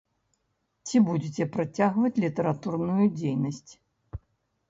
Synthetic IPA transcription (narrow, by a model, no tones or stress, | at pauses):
t͡sʲibud͡zʲet͡sʲɛpɾat͡sʲaɣvɐt͡sʲlʲit̪ɐɾat̪urnujud͡zʲejnɐsʲt͡sʲ